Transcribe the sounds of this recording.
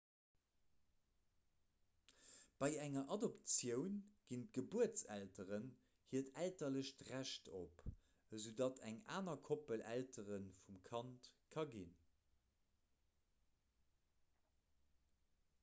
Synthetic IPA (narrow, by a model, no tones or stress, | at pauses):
b̥ɑɪæŋɐʔɑdopt͡sjəʊnɡ̥int̚ɡ̥əbuət͡sæltəʁən | hiətʰæltɐləɕtʁæʃtʰop | əzədɑtʰæŋaːnɐkʰopəlʔæ̰ltəʁənfumkʰɑntkʰɑɡin